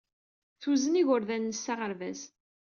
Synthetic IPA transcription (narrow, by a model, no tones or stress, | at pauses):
θuzəniʝʊɾðænːəsːaʁəɾvæz